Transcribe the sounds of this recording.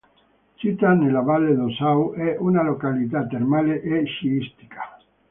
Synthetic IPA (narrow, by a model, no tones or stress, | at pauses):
t͡ʃit̪anelavalːed̪osawʔɛʔunalokalit̪̬at̪ːermaːleʔeʃiist̪i̥kʰḁ